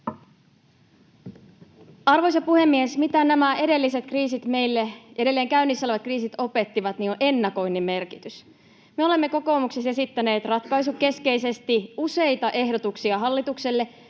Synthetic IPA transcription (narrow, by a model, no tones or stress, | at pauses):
ɑrʋo̞js̬ɑpuhe̞mːiesmit̪ænæmæʔe̞de̞lːise̞t̪kriːsit̪me̞jlːeede̞lːeːŋkæynːisːɑlʋɑt̪kriːsit̪o̞pe̞t̪ːiʋɑt̪niːnoʔe̞nːɑko̞jnːemːe̞rkit̪ys | meo̞le̞mːe̞ko̞ko̞ːmuksese̞sit̪ːæne̞ːt̪rɑt̪kɑjs̬uke̞ske̞ise̞st̪iuse̞jt̪ɑʔe̞ɦdot̪uksiɑɦɑlːit̪ukse̞lːe̞